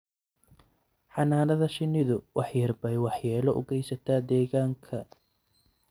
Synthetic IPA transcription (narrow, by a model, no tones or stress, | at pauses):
ħɑnaːnɐðɐʃɪnɪðʊwɑħjɐrbɛjwɑħjɛːlɔʔʊ̰ɡɛjsɐt̪ʰaːd̪ɛːɣaːŋkʰɐ